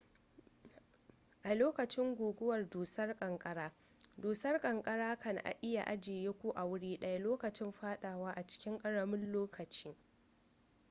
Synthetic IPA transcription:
ʔa˨loː˦kɐ˨t͡ʃɪ˦ŋɡʷuː˨ɡʷʊ˦wɐ˨rduː˨sɐ˦rkʼɐ˨ŋkʼɐ˦ɽaː˦ | duː˨sɐ˦rkʼɐ˨ŋkʼɐ˦ɽaː˦kɐ˨n˨ʔa̰˨ʔɪ˦ja̰˨ʔa˦d͡ʒeː˨jeː˦kʷu˦ʔa˨wʊ˦ɽiː˦ɗɐ˦ja˦loː˦kɐ˨t͡ʃɪ˦mɸaː˦ɗaː˨waː˦ʔa˨t͡ʃɪ̥˦kʲɪ˦ŋkʼɐ˦ɽɐ˨mɪ˦nloː˦kʰɐ˨t͡ʃiː˦

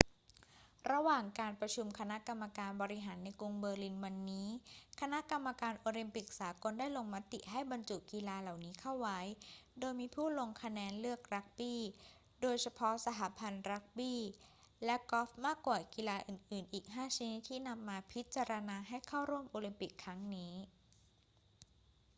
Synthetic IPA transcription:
ɾa˧waː˨˩ŋkaː˧npɾa˧t͡ɕʰu˧mkʰa˧na˦˥ka˧mːa˧kaː˧nbɔː˧ɾi˦˥ɦaː˩˦nːa˧jkɾu˧ŋbɤː˧li˧nwa˧nːiː˦˥kʰa˧na˦˥ʔka˧mːa˧kaː˧nʔoː˧li˧mpi˨˩k̚saː˩˦ko˧ndaː˥˩jlo˧ŋma˦˥t̪ːi˨˩ʔɦa˥˩jba˧nt͡ɕuː˨˩t̚ki˧laː˧la˨˩wniː˦˥kʰa˥˩wwa˦˥jdoː˧jmiː˧pʰuː˥˩lo˧ŋkʰa˧nɛː˧nlɯ˥˩ək̚ɾa˦˥k̚biː˥˩ | doː˧jsʰa˧pʰɔ˦˥sa˧t̪aː˩˦pʰa˧nɾa˦˥k̚biː˥˩ | lɛ˦˥kɔ˦˥f̚maː˥˩kwaː˨˩ki˧laː˧ʔɯː˨˩nʔɯː˨˩nʔiː˨˩k̚ɦaː˥˩t͡ɕʰi˦˥ni˦˥t̪ʰːiː˥˩na˧mːaː˧pʰi˦˥t̪̚t͡ɕa˧ɾa˧naː˧ɦa˥˩jkʰa˥˩wɾu˥˩əmʔoː˧li˧mpi˨˩kʰːɾa˦˥ŋniː˦˥

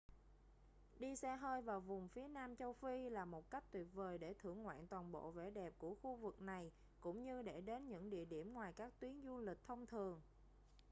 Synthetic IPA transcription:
ɗi˧sɛ˧ɦəː˧jvaː˨˩wvʊ˨˩ŋ͡mfi˨˦ənaː˧mt͡ɕə˧wfi˧laː˨˩mo˨˩t̚ka˦˥k̟̚t̪wi˨˩p̚vəː˨˩jɗe˧˩t̪ʰɨ˧˩əŋːwa̰ː˧˨nt̪waː˨˩nɓo̰˧˨vḛ˧˩ɗɛ˨˩p̚ku˧˩əxu˧vɨ˨˩k̚na˨˩j | kʊ̰˧˥ŋ͡mɲɨ˧ɗe˧˩ɗe˨˦nɲɨ̰˧˥ŋɗḭ˧˨əɗi˧˩əmŋwaː˨˩jkaː˦˥k̚t̪wi˨˦əŋzu˧lï˨˩k̟̚t̪ʰə˧wŋ͡mt̪ʰɨ˨˩əŋ

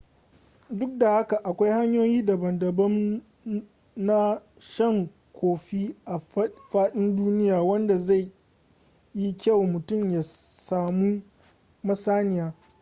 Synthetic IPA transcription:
dʊ˦k̚da˨ha˦ka˨ʔa˨kʷa˦jha˦ɲjoː˦jiː˦da˨bɐ˨ndɐ˨bɐ˦m | na˦ | ʃɐ˦ŋ | kʷʰoː˨ɸi˦ʔa˨ɸaː˦ɗɪ˦nduː˦nɪ˦jaː˨wɐ˦nda˨za˦˨j | ji˦kʲɐ˦˨wmʊ˨tʊ˦˨mjaː˨saː˨mu˦ | mɐ˦saː˦nɪ˨jaː˦

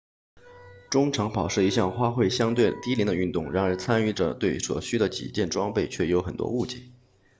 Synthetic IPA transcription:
ʈ͡ʂʊ˥ŋʈ͡ʂʰɑ˧˥ŋpɑ˨˩ʊʂɻ̩˥˩i˧˥ɕjɑ˥˩ŋxwa˥xwe˥˩ɪɕjɑ˥ŋt̪we˥˩ɪt̪i˥li˧˥ŋd̪ə˧y˥˧nt̪ʊ˥˩ŋɻa˧˥nə˞˧˥t͡sʰa˥ny˥˩ʈ͡ʂə˨t̪we˥˩ɪswɔ̰˨˩ɕy˥d̪ə˨t͡ɕḭ˨˩t͡ɕjɛ˥˩nʈ͡ʂwɑ˥ŋpe˥˧ɪt͡ɕʰɥɛ˥˩jo˧˥ʊxə˨˩nt̪wɔ̰˥u˥˩t͡ɕjɛ̰˥˩˦

